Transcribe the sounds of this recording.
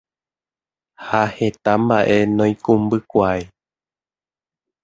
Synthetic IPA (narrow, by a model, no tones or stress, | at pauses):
hahe̞t̪ambaʔe̞nõj̃kũmbɨkʷae